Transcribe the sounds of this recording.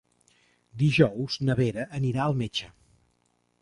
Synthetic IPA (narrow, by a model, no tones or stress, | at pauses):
d̪iʒɔwznəβeɾəʔːniɾaəlˠmet͡ʃə